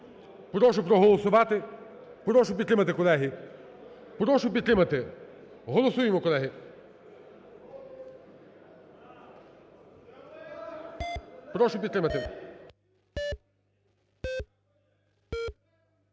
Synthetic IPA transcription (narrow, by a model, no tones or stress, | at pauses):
pɾɔʃʊpɾɔɦɔlˠɔsʊʋɑt̪ɪ | pɾɔʃʊp̬ʲd̪t̪ɾɪmɐt̪ɪkɔlˠɛɦi | pɾɔʃʊp̬ʲid̪t̪ɾɪmɐt̪ɪ | ɦɔlˠɔsujɪmɔkɔlˠɛɦɪ | pɾɔʃʊp̬ʲit̪ɾɪmɐt̪ɪ